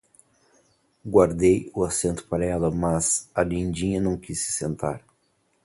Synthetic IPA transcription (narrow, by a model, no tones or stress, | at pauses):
ɡwaɾd̪ejʊasẽnt̪ʊ̥paɾɐɛlɐmɐzalĩnd͡ʒĩɲɐnɐ̃w̃kisɪ̥sẽnt̪a̰ɾ